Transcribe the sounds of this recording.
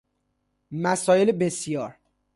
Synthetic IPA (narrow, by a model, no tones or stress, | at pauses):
mæsɒːjelebesijɒːɾ